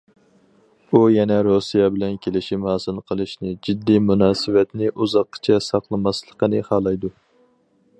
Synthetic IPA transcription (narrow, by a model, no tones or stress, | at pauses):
ujɛnɛɾosijɑbɪlɛnkʲʰelɪʃimhɑːsɨlˠqʰəlˠɨʃnɪd͡ʒid̪ːimunɑːsɨwɛt̪nɪʔuzɑqːə̥t͡ʃʰɛsɑqlˠɨmɑslˠəqənɨχɑːlˠɑjd̪u